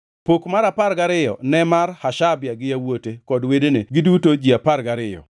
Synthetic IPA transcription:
pokmaɾapaɾɡaɾɪjɔ̰nɛmarhaʃabjaɡɪjawotekɔdwedeneɡɪdutod͡ʒiapaɾɡaɾɪjɔ̰

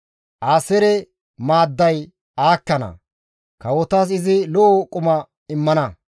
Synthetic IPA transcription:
ʔaːsɛɾɛ | maːd̪ːɐj | aːkːɐnɐ̰ | kɐwɔt̪aːs̬ɪzɪlɔʔokʼʊmɐ | ɪmːɐnɐ

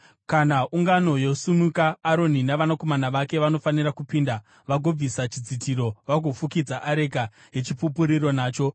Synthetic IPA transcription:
kanauŋɡano̞jo̞sumukaːɾo̞ninaʋanako̞manaʋake̞ʋano̞faniɾakupiːnda | ʋaɡʱob͡visat͡ʃid͡zitiɾo̞ʋaɡʱo̞fukid͡zaʔaɾe̞ka | ɦet͡ʃipupuɾiɾo̞naːt͡ʃo̞

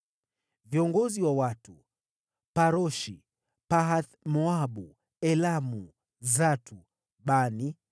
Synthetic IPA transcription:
viɔŋɡɔziwawatu | paɾɔʃi | paɦaθmɔaɓu | ɛlamu | zatʰu | ɓani

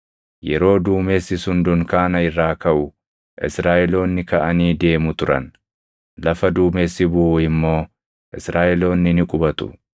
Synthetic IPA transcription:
jɛɾo̞ːd̪uːmeːsːɪsʊnd̪ʊŋkaːnɐɪrːaːkɐʔʊ | ʔɪ̰sɾaːʔɛlo̞ːnːɪkɐʔɐniːd̪e̞ːmʊt̪ʊɾɐ̰n | lɐfɐd̪uːmeːsːɪbʊʔuːɪmːo̞ː | ʔɪsɾaːʔɛlo̞ːnːɪnɪkʼʊbɐt̪ʊ̥̰

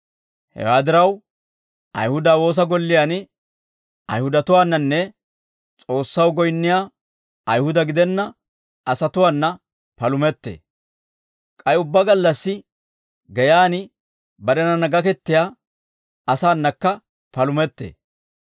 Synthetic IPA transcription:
hɛ̰waːd̪ɪɾɐw | ʔɐ̰jhʊd̪aːwo̞ːs̬ɐɡɔlːɪjaːnɪ | ʔɐ̰jhʊd̪ɐt̪ʊwaːnːɐnːɛ | t͡sʼo̞ːsːɐwɡɔjnːɪjaː | ɐjhʊd̪ɐɡɪd̪ɛnːɐ | ɐsɐt̪ʊwaːnːɐ | pɐlʊmɛt̪ːḛː | kʼɐjʊbːɐɡɐlːɐsːɪ | ɡɛjaːnɪ | bɐɾɛnɐnɐɡɐkɛt̪ːɪjaː | ɐsaːnːɐkːɐ | pɐlʊmɛt̪ːḛː

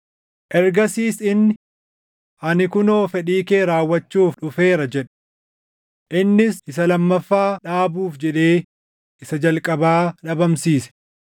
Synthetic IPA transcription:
ʔɛɾɡɐsiːsɪnːɪ | ʔɐnɪkʊno̞ːfɛᶑiːke̞ːɾaːwːɐt͡ʃːuːfᶑʊfe̞ːɾɐd͡ʒɛᶑɐ̥ | ʔɪnːɪsɪsɐlɐmːɐfːaːᶑaːbuːfd͡ʒɛᶑe̞ː | ɪsɐd͡ʒɐlkʼɐbaːᶑɐbɐmsiːsɛ̥

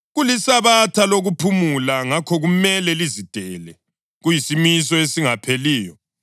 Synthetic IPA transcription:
ɣulisaβatʰaloɣupʰumulaŋakʰɔɣumɛlɛlizid̥ʱɛlɛ | ɣujisimis̬ɔesiŋapʰeliːjɔ

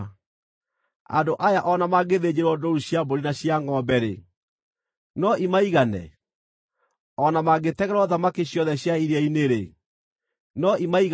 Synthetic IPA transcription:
a̰ndoʔajaʔɔnamaɡeðed͡ʑeɾwɔdoɾuɕjaboɾinaɕjaŋɔbɛɾḛ | nɔimaiɣanɛ̰ | ɔnamaɡetɛɣɛɾɔðamakiɕjɔðɛɕjaiɾɛineɾe | nɔimaiɣ

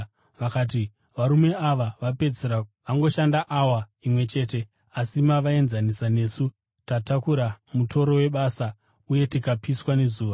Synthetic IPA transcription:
ʋakaːt̬i | ʋaɾume̞aʋaʋape̞d͡zeɾaʋaŋɡo̞ʃandaʔawaimwe̞t͡ʃe̞ːt̬e̞ | asimaʋae̞nzanisane̞ːsu | tatakuɾamutʰo̞ɾo̞we̞ɓaːsa | uje̞tikapiswane̞zuːʋa

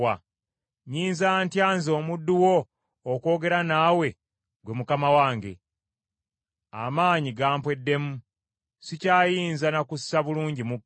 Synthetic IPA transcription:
a | ɲiːnzaːntjaːnzo̞ːmudːuwo̞ː | ko̞ːɡe̞ɾanaːwe̞ | ɡwe̞mukamawaːŋɡe̞̰ | a̰maːɲiɡaːmpwe̞dːe̞mu | sicaːjiːnzanakussaβuluːɲɟimu

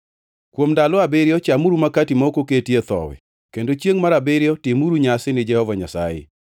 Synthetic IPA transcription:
kwomdalɔabɪɾjɔt͡ʃamuɾumakatimaokoketjet̪ɔ̰wɛ̰ | kendot͡ʃjeŋmaɾabɪɾɪjɔtɪmuɾuɲasɪnɪd͡ʒɛhɔvaɲa̰sa̰jɪ̰

